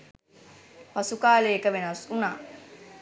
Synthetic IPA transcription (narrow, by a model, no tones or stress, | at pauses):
pɐsukaːleːkəʋenɐsunaː